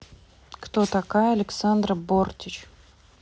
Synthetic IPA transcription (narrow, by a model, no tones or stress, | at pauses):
kt̪ot̪ɐkajəɐlʲɪksand̪rəbortʲɪt͡ɕ